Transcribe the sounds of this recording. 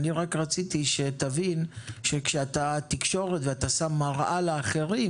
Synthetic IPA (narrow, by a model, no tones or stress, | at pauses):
niʁakʁat͡sit̪iʃe̞t̪avinʃe̞kʃeat̪at̪ikʃo̞ʁet̪veat̪asamːaʁʔaleːχe̞ʁi